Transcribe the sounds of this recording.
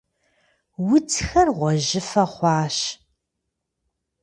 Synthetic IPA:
wʊt͡sʰxɐrʁʷɔʑɪfɐχʷɑːɕ

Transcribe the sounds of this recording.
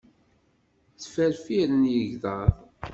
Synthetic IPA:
θfæɾfiɾənjəʝðɑðˤ

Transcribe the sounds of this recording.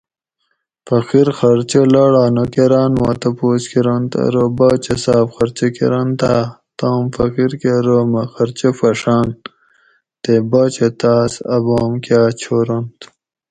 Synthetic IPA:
fɐqiɾxɐɾt͡ɕelaːɽaːnokeɾaːnwa̰ːt̪ɐpoːskiɾɐnt̪ɐ̰ɾobaːt͡ɕesaːfxɐɾt͡ɕekḛɾɐnt̪aː | t̪aːmfɐqiɾkeɾomɐxɐɾt͡ɕefɐʂaːn | t̪ebaːt͡ɕet̪aːsɐ̰boːmkjaːt͡ɕʰoɾont̪

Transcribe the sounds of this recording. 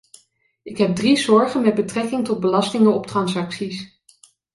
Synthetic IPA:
ɪkɦɛb̚drizɔɹχənmɛd̚bətrɛkɪŋtɔd̚bəlɑstɪŋənɔp̚trɑnsɑksis

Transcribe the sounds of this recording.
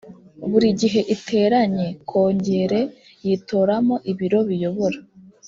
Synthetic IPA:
βuɾiɟiɦe̞ʔitʰe̞ːɾaɲe̞kʰo̞ːɲɟe̞ɾe̞ | jito̞ːɾamo̞ʔiβiɾo̞βijo̞βo̞ɾa

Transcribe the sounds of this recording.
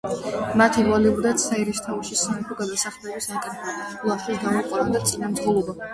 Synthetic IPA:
mat̪ʰiɾvalɛubd̪at̪saiɾist̪ʰaʃisanɛt̪ʰɔɡad̪asaχlˠɛbisakʼɛɾpʰɛ | lˠaχiɡamɔqʼwanad̪at̪sʼinamʁɔlˠɔba

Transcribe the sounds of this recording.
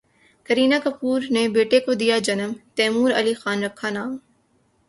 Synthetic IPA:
kəɾiːnakəpuːɾnebeːʈekod̪ijad͡ʒɐnəmt̪ɛːmuːɾɐlixaːnɾɐkʰːanaːm

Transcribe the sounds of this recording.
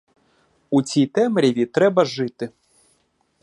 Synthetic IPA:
ut͡sʲit̪ɛmɾʲivʲit̪ɾɛbɐʐɨt̪ɨ

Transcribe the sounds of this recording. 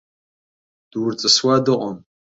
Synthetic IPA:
d̥wrt͡sʼɨswadɨqʷʼam

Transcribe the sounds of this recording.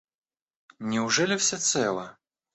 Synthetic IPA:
nʲɪʊʐɛlʲɪfsʲɛt̪sɛlˠə

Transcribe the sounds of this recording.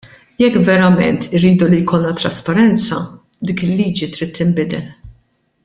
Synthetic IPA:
jɛkːvɛɾɐmɛ̰nt̪ʰɪɾiːd̪ulijkɔlnɐt̪ɾɐspɐɾɛnt͡sɐ̰ | d̪ɪːkɪlːiːd͡ʒit̪ɾiːt̪ʰːɪmbɪd̪ɛl

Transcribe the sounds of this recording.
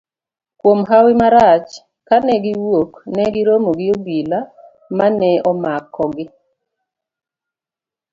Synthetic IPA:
kwomɦawɪmaɾat͡ʃ | kanɛɡɪwoknɛɡɪɾomoɡɪobila | manɛɔmakːɔɡɪ

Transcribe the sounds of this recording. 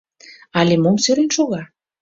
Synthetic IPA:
ɑlʲemomsøɾenʃoɣɑ

